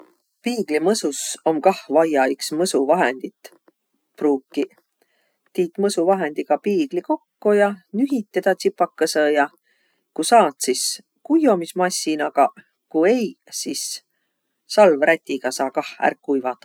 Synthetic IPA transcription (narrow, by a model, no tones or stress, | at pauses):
piːɡ̥limɤsuso̞mkɑhvɑjɑiksmɤsuvɑɦe̞nd̪̥it̪ | pruːkːi | t̪iːt̪mɤsuvɑɦe̞nd̪̥iɡ̥ɑpiːɡ̥liko̞kːojɑnyɦit̪ːed̪̥ɑt̪sipːɑkːɑsɤjɑ | kusɑːt̪sis | kujo̞mismɑsʲːinɑɡ̥ɑ | kue̞j | sis | sɑlvræt̪ʲːiɡ̥ɑsɑːkɑhæ̰rkːujvɑt̪ːˑɑ